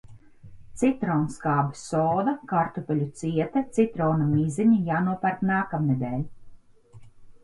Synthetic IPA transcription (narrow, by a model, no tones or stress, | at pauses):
t̪sit̪ɾɔːnskaːbɨsɔːd̪akaɾt̪upʲɛlʲut̪siɛt̪ɛt̪sit̪ɾɔwnamiːziɲijaːnuɔpaɾt̪naːkamned̪ɛːlʲi